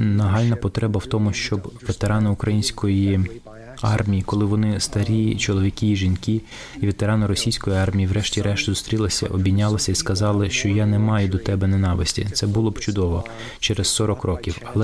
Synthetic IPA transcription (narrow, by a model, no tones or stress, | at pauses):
nɐɦɑlʲnɐpɔt̪ɾɛbɐwt̪ɔmʊʃt͡ʃɔbʋet̪eɾɑnɐʊkɾɐjinʲsʲkɔji | ɑrmʲijikɔlˠɪʋɔnɪst̪ɐɾʲit͡ʃɔlˠɔʋʲikʲiːʒinki | iʋet̪eɾɑnʊɾɔsʲijsʲkɔjiɑrmʲijiwɾɛʃtʲiɾɛʃt̪ʲʊzʊst̪ɾʲilˠɐɪsʲɐ̰ʔɔbʲinʲːɑlˠɐsʲɐiskɐzɑlˠɪʃt͡ʃɔjanemɑjʊd̪ɔt̪ɛbɛnenɑʋɪ̰sʲtʲḭt̪sɛbʊlˠɔbt͡ʃʊd̪ɔʋɔ | t͡ʃeɾessɔɾɔkrɔkʲiwɐlˠɛ